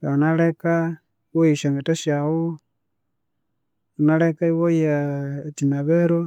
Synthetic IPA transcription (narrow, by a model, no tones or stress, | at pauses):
aunaleka | wojiʃaŋetaʃawu | unalekaiwojatinaβeɾo